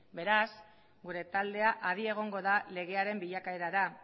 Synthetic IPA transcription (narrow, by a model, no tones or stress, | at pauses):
be̞ɾas | ɡuɾe̞t̪ald̪e̞aʔaðie̞ɣ̞o̞ŋɡo̞ðale̞ɣe̞aɾe̞mbiʎakae̞ɾaɾa